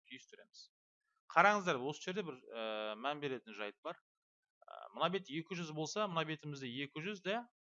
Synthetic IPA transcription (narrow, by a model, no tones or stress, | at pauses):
k̪ʲʰyjɪst̪ʰʏɾe̞mɪz̥ | qʰɑɾɑɴəzd̪ɑɾwo̞səʒe̞ɾd̪ebɪɾəmænbe̞ɾe̞t̪ɪnʒɑjət̪̚bɑɾ | ə̰mʊnɑbe̞t̪je̞kʲɪʒʏzbo̞lˠsɑmʊnɑbe̞t̪ɪmɪzd̪eje̞kʲɪʒʏzd̪æ